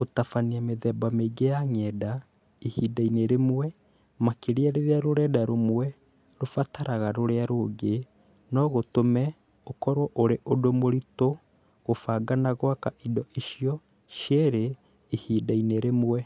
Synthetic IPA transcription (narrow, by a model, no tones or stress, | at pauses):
otafaniameðɛbameɡejaŋɛːda | ihidaineɾemwwɛ | makeɾiaɾeɾeaɾoɾɛːdaɾomwɛ | ɾofataɾaɣaɾoɾeaɾoɡe | nɔɣotomɛ | okɔɾwɔʔoɾeʔodomoɾito | ɣofaɡanaɣwakaʔidɔʔiʃijɔ | ʃeɾe | ihiːdaineɾemwɛ